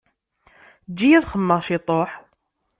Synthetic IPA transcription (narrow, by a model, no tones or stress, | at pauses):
d͡ʒːijæðχəmːəʁʃit̪ˤoħ